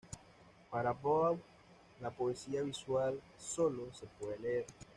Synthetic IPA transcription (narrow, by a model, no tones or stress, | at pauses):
paɾapow | lapoesiaβiswal | solose̞pweðeleeɾ